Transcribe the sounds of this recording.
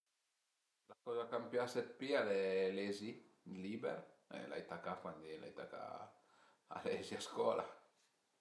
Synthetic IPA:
lakɔzakampjaset̪̚pialelɛzi | libɛ̰ɾḛla̰jt̪akafand̪ila̰jt̪aka̰ | a̰lɛziaskwɔla̰

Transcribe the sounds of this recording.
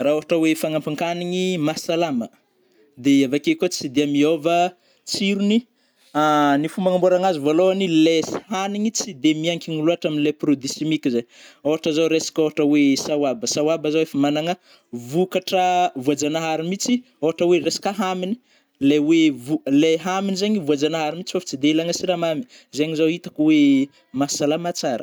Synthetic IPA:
raːoɦaʈ͡ʂəwefaŋampiŋkaniŋimasalamə | d̪eavakekʲot͡sid̪eamiovə | t͡siɾuni | anifumbaŋamboɾaŋazivoloanileshaniŋit͡sid̪emiaŋkʲiŋuluaʈ͡ʂaminileprod̪isemikʲizajoɦaʈ͡ʂəzaɾesḁkoɦaʈ͡ʂəwesawabəsawabazawefamanaŋə | vukaʈ͡ʂəvuad͡ʒanaɦaɾimit͡si | oɦaʈ͡ʂəweresḁkaɦamini̥ | lewevuleɦaminizaɲivuad͡zanaɦaɾimit͡si̥fafḁt͡sid̪elaŋasiɾamami | zeɲizawit̪ḁkuwe | masalamat͡saɾə̥

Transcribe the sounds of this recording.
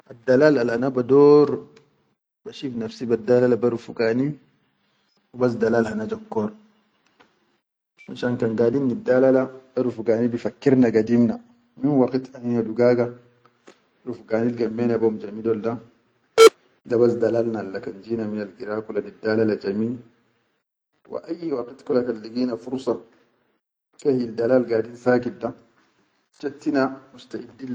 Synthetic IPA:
ʔadːalalalanabadɔːɾ | baʃifnafsibadalalabaɾufuɡaːni | ubas̬dalalhanad͡ʒɔkːɔɾ | maʃankaŋɡadinːidːalalabaɾufuɡaːnibifakːiɾnaɡadimna | minwakit̪anihaduɡaːɡa | ɾufɡaːnilɡamːeːnabamd͡ʒamidolda | d̪abasd̪alalnalːakand͡ʒiːnaminalɡiɾaːkulanidːalalad͡ʒamiːl | wḭʔajːwaqit̪kulakanliɡiːnafuɾsɑ | kahiildalaːlɡaːdinsaːkit̚da | t͡ʃat̪ːinamust̪aʔidːi

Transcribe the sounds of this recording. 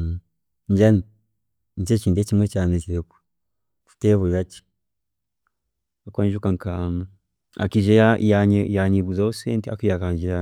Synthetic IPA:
ɲd͡ʒani | ɲd͡ʒet͡ʃiːdet͡ʃimwet͡ʃaːnet͡ʃiɾeku̥ | ku̥teβuβat͡ʃi̥ | akwaɲʒukaŋkaŋa | a̰kiʒejajaɲejaɲiβuzaoseːntia̰kujakaːɲd͡ʒiɾa

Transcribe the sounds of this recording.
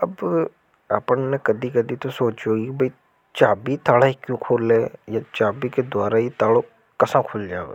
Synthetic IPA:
əb | aːpənnekəd̪iːkəd̪iːt̪osoːt͡ʃoːɡibəiː | t͡ʃaːbiːt̪aːlaːikjũːkʰoːleːjaːt͡ʃaːbiːked̪ʊwaːɾaːit̪aːɽoː | kəsãːkʰoːld͡ʒaːḛː

